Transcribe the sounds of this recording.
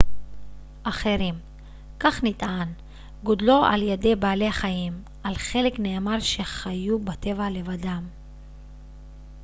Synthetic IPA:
ʔaχe̞ɾim | kaχnit̪an | ɡodlo̞a̰ljede̞baːleaχajim | ʔalχe̞lekne̞ːmaʁʃe̞χajubat̪e̞vale̞vadam

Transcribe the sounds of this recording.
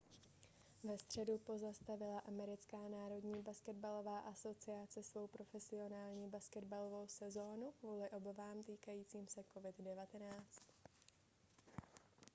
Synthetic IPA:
vɛst̪r̝̥ɛdupo̞zast̪avɪlaʔamɛɾɪt͡skaːnaːɾo̞dɲiːbaskɛd̪̚balo̞vaːʔaso̞t͡sɪat͡sɪsvo̞wpɾo̞fɛsɪo̞naːlɲiːbaskɛdbalo̞vo̞wsɛzo̞ːnukvuːlɪʔo̞bavaːmt̪iːkajiːt͡siːmsɛko̞vɪd̪dɛvat̪ɛnaːt͡st̪

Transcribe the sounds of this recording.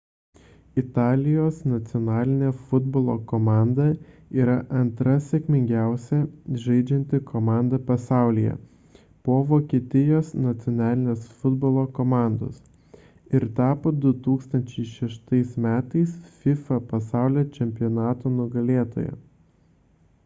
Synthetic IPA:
ɪt̪ɑːlʲɪjoːsnɐt̪sʲɪɔnɑːlʲɪnʲeːfʊd̪boːlˠo̰kɔmɑˑnd̪ɐ | iːɾɐʔɐnt̪ɾɐsʲekʲmʲɪŋʲɡʲæˑʊsʲɛʒɐɪd͡ʒʲɛnʲt̪ʲɪkʰomɑˑnd̪ɐpɐsɑˑʊlʲijɛ̰ | poːʋoːkʲiːt̪ʲɪjoːsnɐt̪sʲɪɔnɑːlʲɪnʲeːsfʊd̪boːlˠoːkomɑˑnd̪o̰ːs | ɪɾt̪ɑːpoːd̪ʊt̪uːkst̪ɐnʲt͡ʃʲɛɪʃʲɛʃt̪ɐɪsmʲæːt̪ɐɪsfʲɪfɐpɐsɑˑʊlʲoːt͡ʃʲɛmʲpʲɪjɔnɑːt̪oːnʊɡɐlʲeːt̪o̰ːjɛ̰

